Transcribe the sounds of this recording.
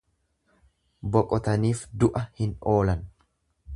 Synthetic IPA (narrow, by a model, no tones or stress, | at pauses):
bɔkʼɔt̪ɐniːfd̪ʊʔɐhɪnoːlɐn